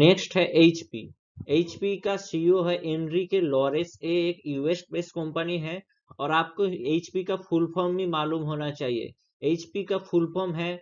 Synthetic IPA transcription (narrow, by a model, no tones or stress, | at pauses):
neːksʈɦɛʔeːt͡ʃpḭː | eːt͡ʃpikasioɦɛʔẽːnɾikelɔːɾeseeːkjuːesʈ̚beːskɔ̃mpəniɦɛ | ɔːɾaːp̚koeːt͡ʃpikafʊlpʰɔːɾmbĩmaːluːmɦoːnat͡ʃaːɦiḛ | eːt͡ʃpikafʰʊlpʰɔːɾmɦɛː